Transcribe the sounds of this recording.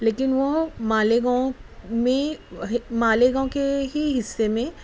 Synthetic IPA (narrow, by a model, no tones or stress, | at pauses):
leːkɪnʋomaːleɡaõmẽɦmaːleɡãõkeɦiɦɪsːemẽ